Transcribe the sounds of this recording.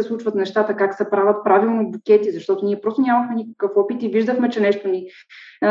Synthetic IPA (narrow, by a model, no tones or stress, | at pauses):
ɛslˠut͡ʃvət̪nɛʃt̪at̪əkaksɛpɾavət̪̚pɾavilˠnobukʲɛt̪izɐʃt̪ɔt̪oniɛpɾɔst̪onʲaməxmɛnikə̥kɤfɔpit̪iviʒd̪əxmɛt͡ʃɛnɛʃt̪oni